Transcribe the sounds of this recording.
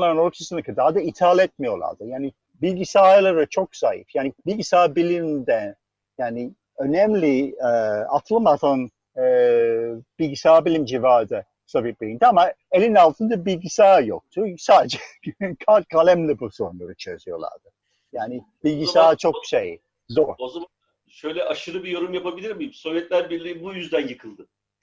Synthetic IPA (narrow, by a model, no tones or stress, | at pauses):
aɾɯnolpsisɯnakʰɯd̪aːd̪ait̪ʰaːlʲɛt̪̚mijo̞lˠa̰ɾd̪ɯjaːni | bilʲɟisaːjlˠaɾɯt͡ʃʰokz̥ajḭfjaːnibilʲɟisaːbilʲimd̪ɛ | jaːni | ø̞nɛmlʲiɛat̪ʰlˠɯmat̪ʰan | ɛ | b̥ilʲɟisaːbilʲimd͡ʒivaːd̪ɯ | sabit̪̚bilʲind̪iama | elʲinalˠt̪ʰɯnd̪abilʲɟisaːjo̰k̚t̪ʰusaːd͡ʒɛ | kʰalʲkʰalʲæmlʲɛbusounˠaɾɯt͡ʃʰø̰zyjo̞lˠa̰ɾd̪ɯ | jaːnɪ | b̥ilʲɟisaːt͡ʃʰo̞k̚ʃej | zoːɾozaa | ʃøjlʲɛʔaʃɯɾɯbijo̞ɾumjapabilʲiɾmimso̞vjɛt̪lʲæɾbiɾlʲibujyzd̪ænjɯkʰɯlˠd̪ɯ